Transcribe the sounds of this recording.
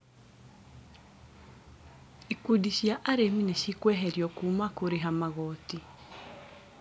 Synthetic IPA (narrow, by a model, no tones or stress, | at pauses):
ikudiʃiaʔaɾemineʃikwɛɦɛɾjɔkumakoɾeɦamaɣɔti